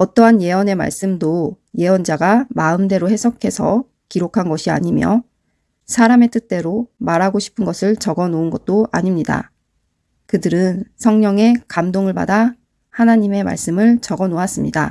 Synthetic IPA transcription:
ʌt͈ʌɦanje̞wʌne̞ma̰ɭs͈ɯmdoje̞wʌnd͡ʑaɡamaɯmde̞ɾohe̞sʰʌkʰe̞sʰʌ | kiɾokʰanɡʌɕʰia̰ɲimjʌ | sʰaɾame̞t͈ɯt͈e̞ɾomaɾɦaɡoɕʰi̥pʰɯnɡʌsʰɯɭt͡ɕʌɡʌnoɯnɡʌt̚t͈oaɲimɲida̰ | kɯdɯɾɯnsʰʌŋɲʌŋe̞kamdoŋɯɭpa̰da | hanaɲime̞ma̰ɭs͈ɯmɯɭt͡ɕʌɡʌnoas͈ɯmɲida̰

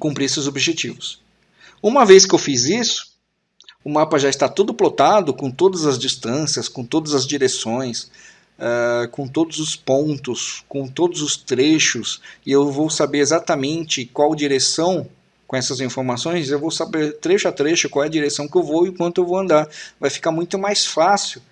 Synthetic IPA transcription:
kũpɾiesɪzobiʒet͡ʃivʊs | ũmɐveskɪewfizisʊ̥ | ʊmapɐʒaɪst̪at̪ud̪ʊplot̪ad̪ʊkõt̪od̪ɐzɐzd͡ʒist̪ɐ̃siɐskõt̪od̪ɐzɐzd͡ʒiɾesõj̃s | ɛkõt̪od̪ʊzʊspõnt̪ʊskõt̪od̪ʊzʊst̪ɾeʃʊsɪewvowsabeɾezat̪ɐmẽnt͡ʃɪkwawd͡ʒiɾesɐ̃w̃ | kõɛsɐzĩfoɾmasõj̃sewvowsabeɾt̪ɾeʃʊɐt̪ɾeʃʊkwawɛɐd͡ʒiɾesɐ̃w̃kɪewvowɪʊkwɐ̃nt̪ʊewvowɐ̃nd̪aɾvajfi̥kaɾmũj̃t̪ʊmajsfasiw

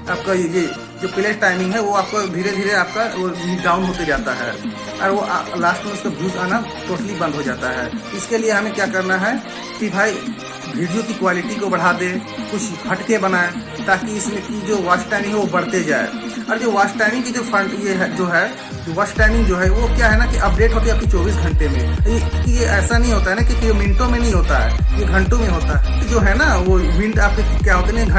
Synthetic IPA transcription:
aːp̚kajeje | d͡ʒopɪleʈʈaːɪmɪ̃ŋɡɦɛʋoaːp̚kobʱiːɾeb̪ʱiːɾeaːp̚kaiɖaːʊnɦot̪ed͡ʒaːt̪aɦɛ̰ | ɔ̰ːɾʋoʔlaːsʈmẽʊskabʱiːd͡ʒaːna | ʈoːʈəlibə̃nd̪ʱɦod͡ʒaːt̪aɦɛ̰ːɪskelieɦɐmẽkjakəɾnaɦɛ | kibʱaːi | bʱiɽijokikwaːlɪʈikobəɽ̤aːd̪ẽkʊt͡ʃʰkʰɐʈkebənaːe | t̪aːkiɪsmẽkid͡ʒoʋasʈʈaːɪmɪ̃ŋɦɛʋobəɽ̤t̪ed͡ʒa̰ːḛɔːɾd͡ʒoʋaːsʈʈːaːɪmɪ̃ŋkid͡ʒopʰəjeɦd͡ʒoɦɛ | ʋasʈaɪmɪ̃ŋɡd͡ʒoɦɛʋokjaɦɛnakiʔɐp̚ɖeːʈɦoːt̪iɛəpkit͡ʃɔːbiːs̬ɡʱə̃ɳʈemḛ̃ekijeʔɛːsanɐɦĩɦoːt̪aɦɛnakikiominʈõmẽnɐɦĩɦoːt̪aɦɛ̰jeɡʱə̃ɳʈõmẽɦoːt̪aɦɛt̪id͡ʒoːɦɛnaʋoʋɪ̃ɳɖaːp̚ke | kjaɦoːt̪enɛɡʱ

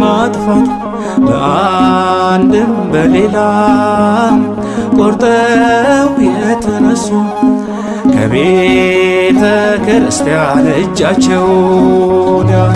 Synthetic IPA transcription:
mat̪ʼfat̪ʼ | bə̰ʔa | nd̪ɨmbəle̞la | kʼoɾt̪ʼə | wjɛt̪ʰənəsːu | kʰə̰βe | t̪ʰəkʰəɾɨst̪ʰjaɾəd͡ʒːat͡ʃːɛw | na

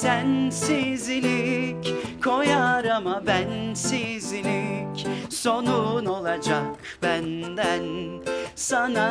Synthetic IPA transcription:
sænsizilʲic | kʰo̞jaɾamabænsizilʲicso̞nuno̞lˠad͡ʒak̚ | bænd̪ænsana

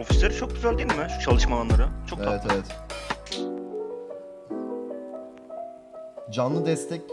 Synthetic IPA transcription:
o̞fi̥slʲeɾit͡ʃʰo̞k̚ɟʲyzælʲd̪iːilʲmɪʃu̥t͡ʃʰalˠɯʃmaanˠaɾɯt͡ʃʰoeavɛt̪ʰevɛt̪ | d͡ʒanlˠɯd̪ɛst̪ʰɛc

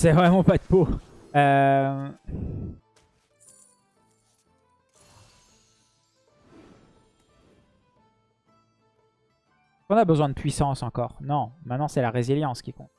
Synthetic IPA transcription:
sɛvʁɛmɑ̃pad̪əpo | ø | kɔ̃nabəzwɛ̃d̪əpʰɥisɑ̃sɑ̃kɔːʁnɔ̃mɛ̃nɑ̃sɛlaʁeziljɑ̃skʲikɔ̃t̪

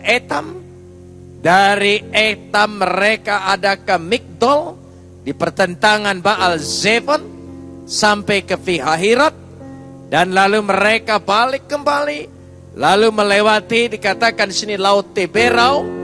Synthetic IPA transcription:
et̪am | daɾiet̪amːəɾekaʔːdakəmik̚dɔl | dipərt̪ənt̪aŋanbaʔalzefɔn | sampɛjkəfiɦaɦiɾɔt̪̚ | danlaluməɾekabalɪkːəmbali | laluməlewat̪idikat̪akandisinilaʊt̪ːebeɾaw

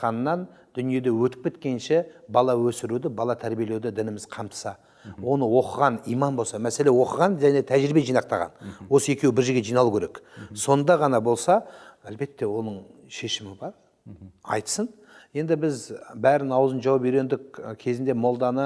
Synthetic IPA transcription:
qɑnnːɑnd̪̥ʏnije̞d̪e̞wɵt̪ɪ̥k̚kʰʲe̞t̪̚kʲe̞nʃebɑlˠɑwɵsɪɾud̪ɪbɑlˠɑt̪ʰæɾbijeled̪ɪd̪ɪnɪmɪz̥qʰɑmt̪ə̥sɑ | wo̞nəwo̞qəʁɑnijmɑnbo̞lˠsɑmæse̞le̞wo̞qəʁɑnʒæne̞t̪ʰæʒɾibe̞ʒijnɑq̚t̪ɑʁɑ̰nwo̞səe̞kʲe̞wɪbɪɾʒeɾɡʲe̞ʒijnɑlˠukʲʰeɾe̞kso̞nd̪ɑʁɑnɑbo̞lˠsɑælbe̞t̪ːe̞wo̞nəɴ | ʃe̞ʃɪmɪbɑɾ | ɑ̰jt̪ə̥sən | je̞nd̪ɪbɪzbæɾɪnɑwəzənʒɑwɑp̚eɾe̞nd̪ɪkkʲʰe̞zɪnd̪e̞mo̞lˠd̪ɑnə

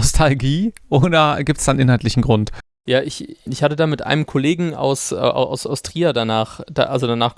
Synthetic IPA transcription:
ɔstʰalɡiːʔoːdɐɡiːp̚tsd̥aːnʔɪnhaltlɪçn̩ɡʁʊnt | jaːʔɪçɪçhatədaːmɪtʔa̰ɪnəmkʰɔleːɡŋ̩a̰ʊsʔa̰ʔa̰ʊsaʊstʁ̥iːɐdanaːχd̥a̰ʔalzodanaːχ

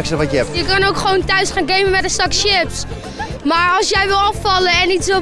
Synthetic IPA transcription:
ksəʋɔəɛpjəkɑnowkχəʋowntœɥsχaːnɡejməmɛdəstɑkʃɪps | maːɹɑlˠsjɛjʋɪlˠɑfɑləɛnitsʋɪ

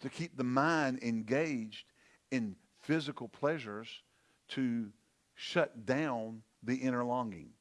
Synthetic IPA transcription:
tʰɨkʰip̚ðɨmãɪ̃nɨ̃nɡeɪd͡ʒd | ɨ̃n | fɪzɨkl̩ˠpʰl̥ɛʒə˞z̥ | tʰɨ | ʃʌt̚d̥ãʊ̃n | ðiʔɪ̃ɾ̃ə˞lɔ̃ŋɡɪ̰̃ŋ

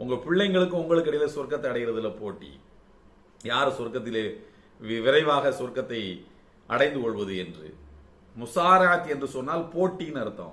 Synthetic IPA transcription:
ʔʊŋɡɐpɪɭːɐɪŋɡɐɭɯkːɯ̃ʊŋɡɐɭɯkːɐɽɐɪjɪlɐsɔrkːɐt̪ːɐɪɐɽɐɪɣɪɾɐðɯlːɐpoːʈːḭ | jaːɾsɔrkːɐt̪̬ːɪle | ʋɪʋɪɾɐɪʋaːɣɐsɔrkːɐt̪ːɐɪ | ʔɐɽɐɪnd̪ɯkɔɭʋɐðɯɛndrɯ̰ | mʊsaːɾɐʕɐt̪ɛndrɯsɔnːaːlpoːʈːinɐɾɯt̪ːã̰ː

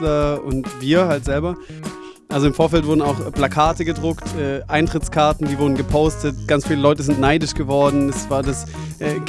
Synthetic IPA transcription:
lɐʊntviːɐɦaltz̥ɛlbɐ | ʔalzoɪmfoːɐfɛltv̥ʊɐdn̩aʊxplakʰaːtəɡədʁʊktʔɛːʔaɪntʁ̥ɪt͡skʰaɐtn̩diːvʊɐdn̩ɡəpʰoʊstətɡ̥ant͡sfiːləlɔʏtəzɪntnaɪdɪʃɡ̥əvɔɐdn̩ɛsv̥aːɐdas | ʔɛː

